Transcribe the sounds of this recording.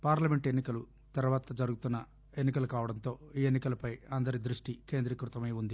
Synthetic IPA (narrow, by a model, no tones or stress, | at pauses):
paːɾlɐme̞ɳʈe̞nːikɐlu | t̪ɐɾuʋaːt̪ɐd͡ʒɐɾuɡut̪unːɐ | e̞nːikɐlukaːʋɐɽɐnt̪o̞ːiːe̞nːikɐlɐpɐjɐnd̪ɐɾid̪ɾuʂʈike̞ːnd̪ɾikɾut̪ɐmeːund̪i